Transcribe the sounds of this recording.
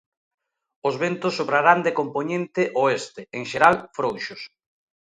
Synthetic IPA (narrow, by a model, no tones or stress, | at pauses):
ʊzβent̪ʊsːoβɾaɾand̪ekomponẽnt̪ɪʔoest̪ɪeŋʃeɾalfɾowʃʊs